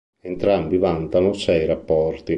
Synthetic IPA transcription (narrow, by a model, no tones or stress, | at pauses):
ent̪ɾambivant̪anosɛjɾapːɔrt̪i